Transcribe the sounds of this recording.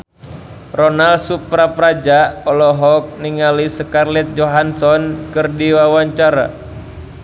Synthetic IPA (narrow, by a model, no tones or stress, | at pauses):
rɔnalsupɾapɾad͡ʒaɔlɔɦɔk̚niŋalisəkarlɛt̪̚d͡ʒoɦansɔnkɨrdiwawaɲt͡ʃaɾa̰